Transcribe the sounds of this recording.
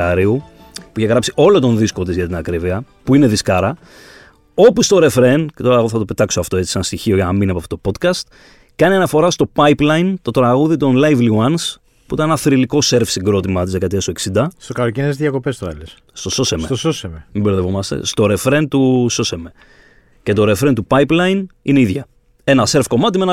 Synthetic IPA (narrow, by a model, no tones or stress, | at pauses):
ɐɾiu | puiçeɣɾɐpsiʔo̞lo̞t̪o̞nðisko̞t̪izʝɐt̪inɐkɾiviɐ | puine̞ðiskɐɾɐ | o̞pust̪o̞ɾe̞fɾe̞ncet̪o̞ɾɐɣoθɐt̪o̞pe̞t̪ɐksoɐft̪o̞e̞t͡si̥seɐnst̪içio̞ʝɐnɐminiɐpoɐft̪ot̪opo̞t̪kɐst̪ | kɐniɐnɐfo̞ɾɐst̪o̞pɐjplɐjnt̪o̞t̪ɾɐɣuðit̪o̞nlɐjvliwɐns | puit̪ɐnenɐθɾiliko̞se̞ɾfsiŋɡɾo̞t̪imɐt̪izðekɐt̪iɐsoeksind̪ɐst̪okɐlocinezðʝɐko̞pest̪oɐ̰les | st̪oso̞semseososememibeɾðevomɐst̪ḛst̪o̞ɾe̞fɾe̞nt̪uso̞seme | ce̞t̪o̞ɾe̞fɾe̞nt̪upɐiplɐinineiðʝɐ | e̞nɐseɾfko̞mɐt̪imeen